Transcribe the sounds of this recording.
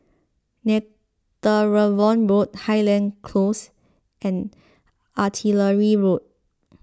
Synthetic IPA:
nɛ | təɹəvɔ̃nɹot̚hajlɛ̃nkʰlos | ʔɛ̃n | ʔatʰiləɹiɹot̚

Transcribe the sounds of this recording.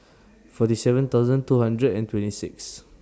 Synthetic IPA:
fɔtisɛvə̃nt̪aʊzə̃ntuhãndɹədɛ̃ntwɛ̃ntisɪ̰ks

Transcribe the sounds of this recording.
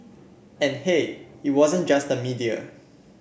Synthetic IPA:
ɛ̃nheit̚wɔzə̃nd͡ʒastdəmidiə̰

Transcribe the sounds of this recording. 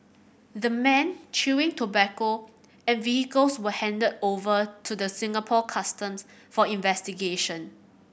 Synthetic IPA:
dəmɛ̃nt͡ʃuɪ̃ŋtʰobɛko | ɛ̃nvihikəlswəhɛ̃ndədovətʰudəsɪ̃ŋapʰɔkʰastə̃msfɔĩnvɛstiɡeʃə̃n

